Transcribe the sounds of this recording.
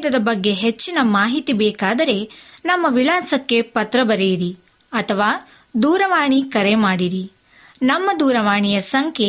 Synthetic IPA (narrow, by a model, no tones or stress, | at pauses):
d̪ɐd̪ɐbɐɡːe̞ɦet͡ʃːinɐmaːɦit̪ibɛːkaːd̪ɐɾe̞nɐmːɐʋilaːsɐkːe̞pɐt̪ɾɐbɐɾejiɾi | ɐt̪ʰɐʋaː | d̪uːɾɐʋaːɳikɐɾemaːɽiɾi | nɐmːɐd̪uːɾɐʋaːɳijɐsɐŋkʰe